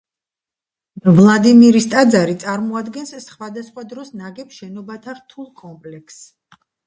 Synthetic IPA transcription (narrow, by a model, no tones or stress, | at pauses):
vlˠad̪imiɾist̪ʼad̪zaɾit̪sʼaɾmɔad̪ɡɛnssχwad̪asχwad̪ɾɔsnaɡɛpʃɛnɔbat̪ʰaʁt̪ʰulˠkʼɔmpʼlɛkʰs